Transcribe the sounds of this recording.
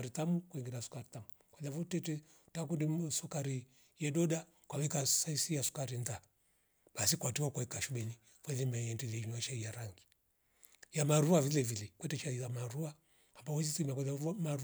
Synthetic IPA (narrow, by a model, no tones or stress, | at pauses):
ɾitamukwɛŋɡɛɾasu̥kaɾitamu | kwalavɔtɛtɛ | tak̬undisɔkaɾi | jɛɗɔɗa | kwawɛkasaisijasu̥kaɾinda | ɓasikwatiwakaikaʃuɓɛni | kwɛlimɛjɛndilɛiɲuat͡ʃaijaɾaŋɡi | jamaɾuavilɛvilɛkwɛtɛt͡ʃaizamaɾua | ambawɛzitimiakwalamaɾ